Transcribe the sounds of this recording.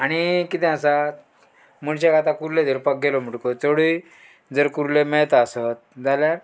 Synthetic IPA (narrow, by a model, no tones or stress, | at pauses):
aɽ̃ikit̪ɛ̃asa | muɽt͡ɕakat̪ãkuɾled̪iɾpək̚ɡelɔm̤əʈkot͡soɽi | d͡zəɾkuɾlemeɭt̪asət̪̚d͡zalja